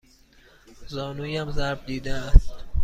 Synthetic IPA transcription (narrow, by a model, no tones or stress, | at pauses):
zɒːnuːjæmzæɾb̚d̪iːd̪eæst̪